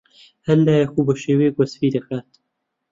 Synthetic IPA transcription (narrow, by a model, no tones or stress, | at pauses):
hɐlːaːjaxubəʃeːweːɡʷɐsfiːd̪ɐxaːt̪̚